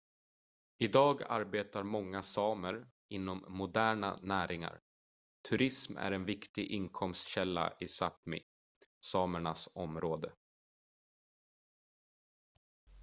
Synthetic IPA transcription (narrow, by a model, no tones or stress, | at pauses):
ɪd̪ɑːɡa̰ɾbeːt̪aɾmɔŋːasɑːməɾ | ɪn̪ːɔmːʊd̪æːɳa̰næːɾɪŋa̰ɾ | t̪ʰɵɾɪsmæ̰ɾɛnvɪkt̪ɪɡʔɪnkʰɔmst̪ɕɛlːa̰ʔɪsap̪mɪ̰ | sɑːməɳasɔmɾoːd̪ə